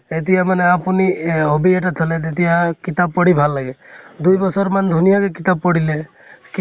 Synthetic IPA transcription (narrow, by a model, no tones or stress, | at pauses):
et̪̬iamaneapuniobieʈat̪ʰɔlet̪et̪ijakit̪abːɔɽibʱalːaɡed̪ujbɔsɔɾmand̪ʱunijakekit̪ab̚pɔɽile | k